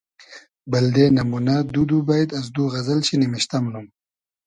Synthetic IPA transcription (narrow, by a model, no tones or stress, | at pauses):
bɐld̪enɐmunad̪ud̪ubajd̪ɐs̬d̪uɣɐzɐlɕinimiɕt̪ɐmlum